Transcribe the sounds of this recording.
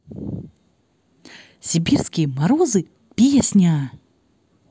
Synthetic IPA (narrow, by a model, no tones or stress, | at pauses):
sʲibʲirskʲijəmɐɾozɨ | pʲijɐsʲnʲaː